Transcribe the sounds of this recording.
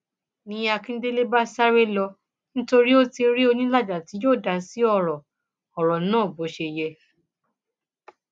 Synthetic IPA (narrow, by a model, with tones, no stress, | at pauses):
nĩ˨˧˦a˧kĩ˦de˦le˦ba˦sa˦ɾe˦lɔ˧ | nĩ˦to˧ɾi˦o˦tĩ˧˦ɾi˦o˧nĩ˦la˦˨d͡ʒa˨ti˨˦joː˦˨da˨˧˦si˨˦ɔ˦˧˨ɾɔ˨ | ɔ˨ɾɔ˨nãː˦˨bo˨˦ʃe˧jɛ˧